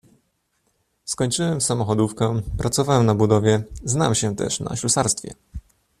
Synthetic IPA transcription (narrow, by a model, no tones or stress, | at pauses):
skɔɲʲt͡ʂɘwɛmfsamɔxɔd̪ufkɛpɾat̪sɔvawɛmnabud̪ɔvʲjɛzna̰mɕɛt̪ɛ̰ʂna̰ɕusaɾst̪fʲjɛ̰